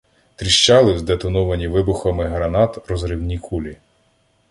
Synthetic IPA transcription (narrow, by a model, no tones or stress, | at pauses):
t̪ɾʲiʃt͡ʃɑlˠɪzd̪et̪ɔnɔʋɐnʲiʋɪbʊxɐmɪɦɾɐnɑt̪ɾɔzɾɪwnʲikʰulʲi